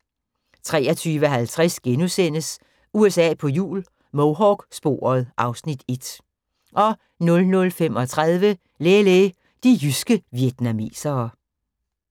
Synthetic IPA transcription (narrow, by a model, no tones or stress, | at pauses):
t͡sʰʁɛ̰ːɒt͡sʰyːʋəɦælt͡sʰʁasɡ̥enusen̰əs | uesɛ̰ːpʰɒ̽jṵːl | moʊɦɒːɡ̥sb̥o̝̰ːɐð̞̩ˠʔɑ̈ʊsnid̥e̝d̥ | ʔɒ̽ | nɔ̽lnɔ̽lfem̰ɒ̽t͡sʰʁað̞ˠʋə | leːleː | d̥ijysɡ̥əʋjed̥næmḭːsɐː